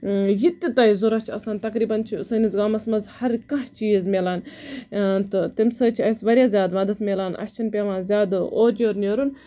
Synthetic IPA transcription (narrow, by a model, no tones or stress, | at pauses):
jit̪ːit̪ɐjzuɾɐt͡ʃʰiɐsaːnt̪ɐkɾiːbɐnt͡ʃʰisɐnizɡaːmɐsmɐzhɐɾkɐ̃ɦt͡ʃiːzmʲelaːn | t̪ɨt̪imʲsəːt͡ʃʰiɐjsʋɐɾʲjaːzʲaːd̪mɐd̪ɐt̪mʲelaːnʔɐ̰ʃʲt͡ʃʰinpʲeʋãːnzʲjaːd̪oːɾnʲjoːɾnʲjoːɾun